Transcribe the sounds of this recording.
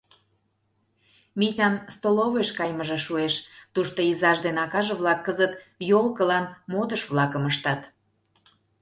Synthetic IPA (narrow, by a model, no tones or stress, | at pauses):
mʲitʲɑnst̪oloβeʃkɑjməʒeʃueʃt̪uʃt̪oizɑʒd̪enɑkɑʒĕβlɑkːəzət̪jolkəlɑnmod̪əʃβlɑkəməʃt̪ɑt̪